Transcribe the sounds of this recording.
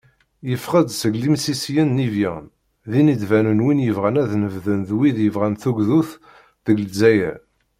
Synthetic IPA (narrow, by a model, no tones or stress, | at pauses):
jəfʁəd̪səɡlimsisjənːivjæ | ðinid̪vænənwinjəvʁænæðnəvðənðwiðjəvʁænθuɡðuθ | ðəɡlzæjæ̰